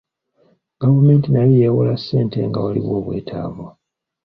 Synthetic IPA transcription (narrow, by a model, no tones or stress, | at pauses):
ɡ̥avume̞ːntinalijewolasːe̞ːnte̞ŋɡa̰walḭβo̞ːβwe̞̰ːtʰa̰ːβwo